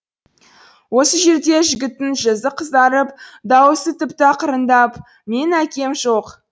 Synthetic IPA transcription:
wo̞səʒe̞ɾd̪e̞ʒɪɡʲɪt̪ːɪnʒəzəqʰəzd̪ɑɾəp̚d̪ɑwəsət̪ɪpt̪ɪɑqʰəɾənd̪ɑp | me̞nækʲe̞mʒo̞q

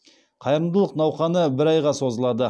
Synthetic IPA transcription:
qʰɑjɾənd̪əlˠəqnɑwχɑnəbɪɾɑjʁɑso̞zəlˠɑd̪ə

